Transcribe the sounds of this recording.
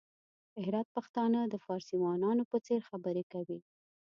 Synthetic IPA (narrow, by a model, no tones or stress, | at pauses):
ɪhɾɑt̪̚paxt̪ɑnəd̪əfɑɾsiwɑnɑnopət͡seɾxabəɾekawi